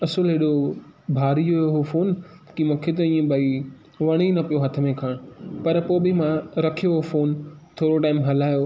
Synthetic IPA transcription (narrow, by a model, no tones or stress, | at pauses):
ɐsʊlɦeɗobʱaːɾijooɦofoːn | kimʊ̃kʰet̪̬ɐĩːə̃bɐi | ʋɐɽ̃inɐpijoɦɐt̪ʰə̆mẽkʰaːɽ̃ʊpɐɾpoːbɪmãɾɐkʰijoɦofoːnt̪ʰoːɾoʈaːɪmɦɐlaːjo